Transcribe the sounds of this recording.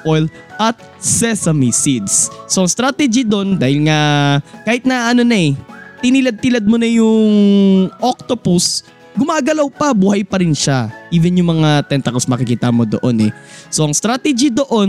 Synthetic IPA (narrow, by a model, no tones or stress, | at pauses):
ʔojl | ʔɐt̪̚ | sɛsɐmisid̪sso̞ʔɐŋst̪ɾaːt̪ɛd͡ʒid̪o̞nd̪aːhɪlŋakaːhɪt̪̚nɐʔɐno̞nɐɛt̪ɪniːlɐd̪̚t̪ilɐd̪̚monɐjʊŋʔok̚t̪opʊs | ɡʊmaːɡɐlɐwpɐbuːhɐjpɐɾɪnʃaʔiːvɛnjʊŋmɐŋat̪ɛnt̪ɐkosmɐkɪkiːt̪ɐmo̞d̪o̰ʔo̞nɛ̰so̞ʔɐŋst̪ɾat̪ɛd͡ʒid̪o̞ʔo̞n